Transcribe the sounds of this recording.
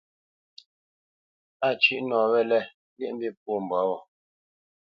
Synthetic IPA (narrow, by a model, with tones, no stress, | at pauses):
a˦˨t͡ʃi˦ʔnɔː˨βɛ˦lɛ˦ | li˦˨m̩˦bi˦p̚o˦˨m̩˨bwa˨˦wɔ˨